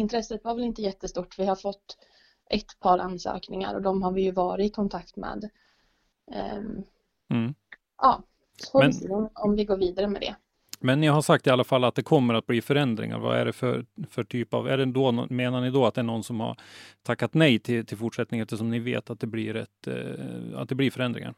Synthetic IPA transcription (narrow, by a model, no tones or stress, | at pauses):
ɪnt̪ʰɾɛsːət̪vaɾvɛlɪnt̪əjɛt̪ːəst̪uːʈːvɪhaɾfɔt̪ː | ʔɛt̪pʰɑːɾanːsø̰ːknɪŋa̰ɾɔd̪ɔmɦaɾvɪjɵvɑːɾɪɪkʰɔnt̪ʰakt̪mɛ̰ːd̪ | ʔɑː | sɔ̥fɔmɛsɔmɔmvɪɡoːɾviːd̪aɾəmɛd̪ɛ̰ | mɛnːɪɦaʂak̚t̪ɪalːafalːat̪̚d̪ɛkʰɔmːəɾat̪̚bliːfœɾɛnd̪ɾɪ̰ŋa̰ɾva̰æ̰ɖɛfœɾfœʈʰyːpa̰væ̰ɖɛd̪ɔmeːnaɳɪd̪ɔat̪̚d̪ɛæɳɔnsɔmha̰ɾt̪ʰakːat̪nɛjt̪ʰɪlt̪ʰɪlfʊʈʂɛt̪nɪŋɛft̪ːəʂɔmnɪvḛːt̪at̪̚d̪ɛbliːɾɛ̰t̪ː | a̰t̪̚d̪ɛbliːfœɾɛnd̪ɾɪ̰ŋa̰ɾ